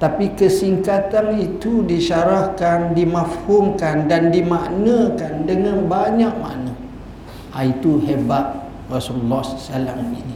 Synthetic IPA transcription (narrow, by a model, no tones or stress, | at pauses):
t̪apikəsiŋkat̪anit̪udiʃaɾakandimafhuŋkandandimaʔnə̃kandəŋãnbaɲaʔ̚ma̰ʔnə̃ | ait̪uɦebat̪̚ | rasululːɔhssala̰mḭni